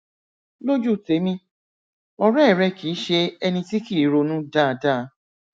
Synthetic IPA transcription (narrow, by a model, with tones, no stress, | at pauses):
lo˦d͡ʒu˦˨te˨˦mĩ˧ | ɔ˧ɾɛ˦˨ɾɛ˦ki˨˦ʃe˧ɛ˧nĩ˧ti˦ki˦˨˦ɾo˧nũ˦daː˦˨da˦˨˦